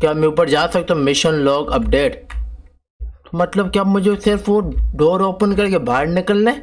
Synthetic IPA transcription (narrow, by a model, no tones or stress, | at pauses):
kjaːmẽʊpəɾd͡ʒaːsɐk̚t̪amɪʃənlɔːɡɐpɖeːʈ | t̪omɐt̪ləb̚kjaamʊd͡ʒʱesɪɾfoɖɔːɾoːpənkɐɾkebʱaːɾnɪkəlːẽː